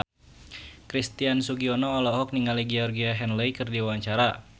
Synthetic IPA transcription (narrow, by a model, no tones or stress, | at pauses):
kɾist̪iansuɡiɔnɔːlɔɦɔk̚niŋaliɡɛɔrɡiaɦɛnlɛikɨrdiwawaɲt͡ʃaɾa